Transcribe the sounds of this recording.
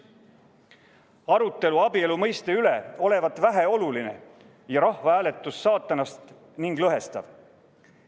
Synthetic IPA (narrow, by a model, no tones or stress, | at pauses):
ɑɾut̪ːˑe̞luɑbie̞lumɤjst̪e̞yle̞o̞le̞vɑt̪ːˑvæɦeo̞luline̞ | jɑɾɑhvɑæːle̞t̪ːˑusːɑːt̪ːˑɑnɑst̪ | niŋɡ̥lɤɦe̞st̪ɑ̰v